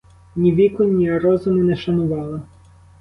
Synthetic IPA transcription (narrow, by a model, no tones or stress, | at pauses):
nʲiʋʲikɔnʲiɐɾɔzʊnɪnɛʃɐnʊʋɑlˠɐ